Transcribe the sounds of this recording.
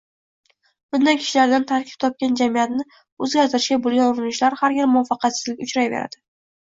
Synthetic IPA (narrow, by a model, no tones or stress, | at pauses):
b̥ʊnd̪ankʲʰɪ̥ʃɪlaɾd̪ant̪ʰaɾkʲʰɪ̥p̚t̪ʰɒp̚kʲand͡ʒamijat̪nɪ | ɵzɡʲaɾt̪ʰɪɾɪʃɡʲabolˠɡʲanʊɾɪnɪʃlaɾhaɾjɪɾmʊwɒfɑqʰɑt̪sɪ̥zlɪkʲʊt͡ʃɾajvḛɾa̰d̪̥ɪ